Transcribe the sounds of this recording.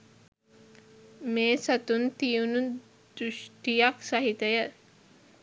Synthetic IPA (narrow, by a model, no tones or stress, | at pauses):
meːsət̪unt̪ijunu | d̪ɾuʃʈijaksɐɦit̪əjə